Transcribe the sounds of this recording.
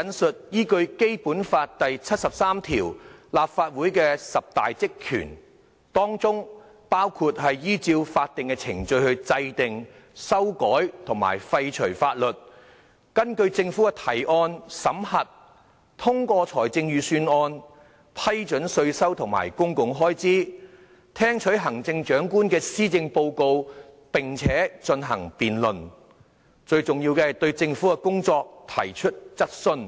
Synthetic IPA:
ɐ˨˧nsɵ˨t̚jiː˥kɵ˧ɥke˥jpuː˨˥nfaː˧t̚t̪ɐ˨jt͡sʰɐ˥t̚sɐ˨p̚saː˥mt̪ʰḭː˨˩wlaː˨p̚faː˧t̚wuː˨˥jkɛː˧sɐ˨p̚t̪a̰ː˨jt͡sɪ˥kʰːy̰ː˨˩n | t̪ɔː˥ŋt͡sʊ˥ŋ | paː˥wkʰu˧t̚ɦɐ˨jjiː˥t͡siː˧wfaː˧t̚t̪ɪ˨ŋkɛː˧t͡sʰɪ˨˩ŋt͡sɵ˧ɥhɵ˧ɥt͡sɐ˧jt̪ɪ˨ŋ | sɐ˥wkɔː˨˥jt̪ʰʊ˨˩ŋma̰ː˨˩jfɐ˧jt͡ʃʰɵ˨˩ɥfaː˧t̚lɵ˨t̚ | kɐ˥nkɵ˧ɥt͡sɪ˧ŋfuː˨˥kɛ˧t̪ʰɐ˨˩jɔː˧nsɐ˨˥mhɐ˨t̚ | t̪ʰʊ˥ŋkʷɔː˧t͡sʰɔː˨˩jt͡sɪ˧ŋjyː˨syː˧nɔː˧n | pʰɐ˥jt͡ʃɵ˨˥nsɵ˧ɥsɐ˥wt̪ʰʊ˨˩ŋma̰ː˨˩jkʊ˥ŋkʊ˨˧ŋɦɔː˥jt͡siː˥ | t̪ʰɛː˥ŋt͡ʃʰɵ˨˥ɥɦɐ˨˩ŋt͡sɪ˧ŋt͡ʃœː˨˥ŋkuː˥nkɛː˧siː˥t͡sɪ˧ŋpo˧wko˧w | pɪ˨˩ŋt͡sʰɛː˨˥t͡ʃɵ˧nɦɐ̰˨˩ŋpiː˨nlɵ˨˩n | t͡ʃɵ˧ɥt͡sʊ˨˩ŋjiː˧wkɛː˧hɐ˨jt̪ɵ˧ɥt͡sɪ˧ŋfuː˨˥kɛ˧kʊ˥ŋt͡sɔː˧k̚t̪ʰɐ˨˩jt͡ʃʰɵ˥t̚t͡sɐ˥t̚sɵ˧n

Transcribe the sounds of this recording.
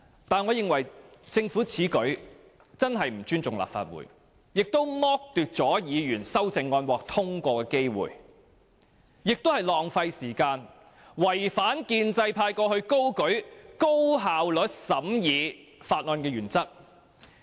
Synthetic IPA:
t̪aː˨nŋɔː˨˧jɪ˨ŋwɐ˨˩jt͡sɪ˧ŋfuː˨˥t͡sʰiː˨˥kɵ˨˥ɥ | t͡sɐ˥nɦɐ˨jm̩˨˩t͡ʃyː˥nt͡sʊ˨ŋla̰ː˨p̚fa̰ː˧t̚wṵː˨˩j | jɪ˨k̚t̪o˥wmɔː˥k̚t̪yː˨t̚t͡sɔː˨˥jiː˨˧jyː˨˩nsɐ˥wt͡sɪ˨˧ŋːɔː˧nwɔː˨k̚t̪ʰʊ˥ŋkʷɔː˧kɛː˧ke˥jwṵ˨j | jɪ˨k̚t̪o˥whɐ˨jlɔː˨ŋfɐ˧jsiː˨˩kaː˧n | wɐ˨˩jfaː˨˥nkiː˧nt͡sɐ˧jpʰaː˧jkɔː˧hɵ˧ɥko˥wkɵ˨˥ɥko˥wɦaː˨wlɵ˨˥t̚sɐ˨˥mjiː˨˧ | faː˧t̚ŋɔː˨˧nkɛː˧ɥyː˨˩nt͡sɐ˥k̚

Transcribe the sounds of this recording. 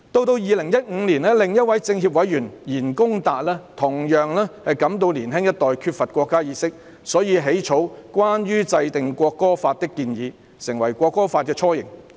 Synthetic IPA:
t̪o˧wt̪o˧wjiː˨lɪ˨˩ŋjɐ˥t̚ŋ̩ː˨˥liː˨˩nɛː˥lɪ˨ŋjɐ˥t̚wɐ˨˦˥jt͡sɪ˧ŋɦiː˧p̚wɐ˨˥jjyː˨˩njiː˨˩nkʊ˥ŋt̪aː˨t̚lɛː˥t̪ʰʊ˨˩ŋjœː˨ŋlɛː˥hɐ˨jkɐ˨˥mt̪o˧wliː˨˩nɦɪ˥ŋjɐ˥t̚t̪ɔː˨jkʰyː˧t̚fɐ˨t̚kʷɔː˧kːaː˥jiː˨˧sɪ˥k̚ | sɔː˨˥jiː˨˧ɦe˨˥jt͡ʃʰo˨˥wkʷaː˥njyː˥t͡sɐ˧jt̪ɪ˨ŋkʷɔː˧kːɔː˥faː˧t̚t̪ɪ˥kːiː˧njiː˨˧ | sɪ˨˩ŋwɐ˨˩jkʷɔː˧kːɔː˥faː˧t̚kɛː˧t͡ʃʰɔː˥jɪ̰˨˩ŋ

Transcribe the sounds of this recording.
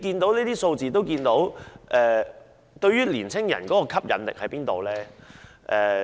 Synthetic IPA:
kiː˧nt̪o˨˥wniː˥t̪iː˥so˧wt͡siː˨t̪o˥wkiː˧nt̪o˨˥wʔɛː˨˩ | t̪ɵ˧ɥyː˥liː˨˩nt͡sʰɪ˥ŋjɐ̰˨˩nkɔː˨˥kɔː˧kʰɐ˥p̚jɐ̰˨˥nlɪ̰˨k̚hɐ˨˥jpiː˥nt̪o˨wlɛː˥ | ʔɛː˨˧

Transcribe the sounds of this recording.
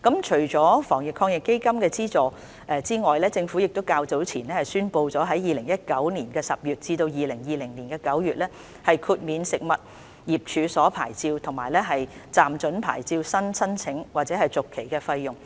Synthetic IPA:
kɐ˨˥mt͡ʃʰɵ˨˩ɥt͡sɔː˨˥fɔː˨˩ŋjɪ˨kʰɔː˧ŋjɪ˨kːe˥jkɐ˥mkɛː˧t͡siː˥t͡sɔː˨ | ʔɛː˨˧t͡siː˥ŋɔː˨jlɛː˥t͡sɪ˧ŋfu˨˥jɪ˨k̚t̪o˥wkaː˧wt͡so˨˥wt͡sʰiː˨˩nlɛː˥hɐ˨˩jsyː˥npo˧wt͡sɔː˨˥ɦɐ˨˥jiː˨lɪ˨˩ŋjɐ˥t̚kɐ˨˥wniː˨˩nkɛː˧sɐ˨p̚jyː˨t̚t͡siː˧t̪o˧wjiː˨lɪ˨˩ŋjiː˨˧lɪ˨˩ŋniː˨˩nkɛː˧kɐ˨˥wjyː˨t̚lɛː˥ | hɐ˨jkʰuː˧t̚miː˨˧nsɪ˨k̚mɐ˨t̚ | jiː˨˩p̚t͡ʃʰyː˨˧sɔː˨˥pʰa̰ː˨˩jt͡siː˧wt̪ʰʊ˨˩ŋmaː˨˩jlɛː˥ɦɐ˨jt͡saː˨˩mt͡ʃɵ˨˥npʰa̰ː˨˩jt͡siː˧wsɐ˥nsʰɐ˥nt͡sʰɪ˨˥ŋwaː˨t̚t͡sɛː˨˦ɦɐ˨jt͡sʊ˨kʰːe˨˩jkɛː˧fɐ˧jjʊ˨˩ŋ

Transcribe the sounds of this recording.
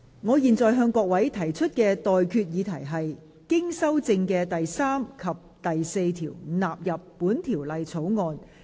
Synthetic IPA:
ŋɔː˨˧jiː˨nt͡sɔː˨jɦœː˧ŋkɔː˧k̚wɐ˨˥jt̪ʰɐ˨˩jt͡ʃʰɵ˥t̚kɛː˧t̪ɔː˨jkʰyː˧t̚jiː˨˧t̪ʰɐ˨˩jɦɐ˨j | kɪ˥ŋsɐ˥wt͡sɪ˧ŋkɛː˧t̪ɐ˨jsaː˥mkʰɐ˨p̚t̪ɐ˨jse˧jt̪ʰiː˨˩wnaː˨p̚jɐ˨pːuː˨˥nt̪ʰiː˨˩wlɐ˨jt͡sʰo˨˥wŋɔː˧n

